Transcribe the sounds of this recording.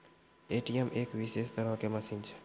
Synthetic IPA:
eʈijəmʔeːkʋisest̪əɾəɦkeməsĩnt͡ʃʰ

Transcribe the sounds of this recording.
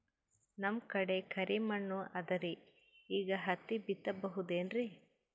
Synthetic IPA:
nɐmkɐɽekʰɐɾʔimɐɳːuʔɐd̪ɐɾi | iːɡɐɦɐt̪ːibit̪ːɐbɐɦud̪eːnɾi

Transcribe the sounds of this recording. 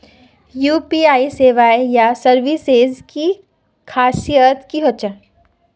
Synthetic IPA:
juːpiaːiseːʋaejasɐɾʋisezki | kʰaːsijət̪kiɦot͡ʃa

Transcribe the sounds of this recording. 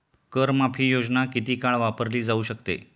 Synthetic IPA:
kəɾmapʰiːjod͡ʑnakit̪iːkaɭʋapəɾliːd͡zauːɕəkt̪ḛ

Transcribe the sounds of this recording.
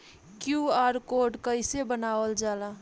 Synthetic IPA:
kjuaɾkoɖkəɪsebənaːʋəld͡ʒala

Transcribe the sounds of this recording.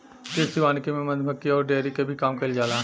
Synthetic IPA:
tɪsiʋaːnkimẽmɐd̪ʱbəkːiɔːɾɖeːɾikebʱikaːmkɐɪld͡ʒaːlaː

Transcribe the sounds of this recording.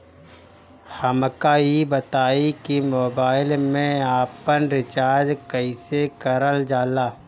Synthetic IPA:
həmkaːibət̪aːikimoːbaːɪlmẽaːpənɾɪt͡ʃaːɾd͡ʒkəisekəɾəld͡ʒaːlaː

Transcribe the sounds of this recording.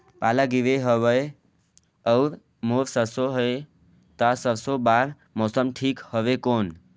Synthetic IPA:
palaɡiʋeɦəbəj | əʊɾ | moɾsəɾsoɦəj | t̪asəɾsobaɾ | mosəmʈʰikhəʋekon

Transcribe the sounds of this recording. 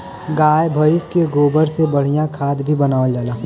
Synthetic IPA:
ɡaːjbʱəjʊskeɡoːbəɾsebəɽ̤ijãkʰaːd̪bʱibɐnaːʋəld͡ʒaːlaː

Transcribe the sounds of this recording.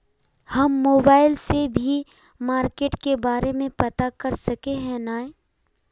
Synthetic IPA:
hɐmːoːbaːɪlsebʱi | maːɾkeːʈkebaːɾemẽpɐt̪akɐɾsɐkeɦɛ̃naːe

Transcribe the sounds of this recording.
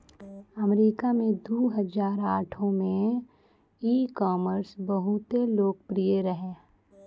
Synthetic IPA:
əmɾiːkamẽd̪oːɦəzaːɾaːʈʰõmẽ | iːkɔːməɾsbəɦʊt̪eloːɡ̚pɾijeɾəɦeː

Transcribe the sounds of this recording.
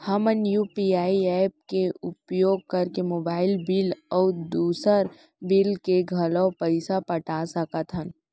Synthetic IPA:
həmənjuːpiaːiɛːp̚keʊpjoːɡ̚kɐɾkemoːbaːɪlbɪlɔːd̪uːsəɾ | bɪlkeɡʱɐləpəɪsapəʈasəkət̪ɦən

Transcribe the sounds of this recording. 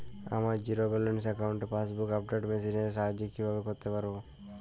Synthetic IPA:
a̰maɾd͡ʒiɾobelensɛkaʊɳʈpʰasbukap̚ɖeʈmes̬ineɾs̬aɦd͡ʒikːibʱabekɔɾt̪epaɾbo

